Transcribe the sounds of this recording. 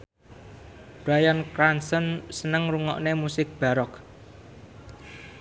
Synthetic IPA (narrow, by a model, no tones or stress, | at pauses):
b̥ɾajankɾansɔnsənəŋruŋɔ̰ʔnemusɪk̚b̥a̤ɾɔk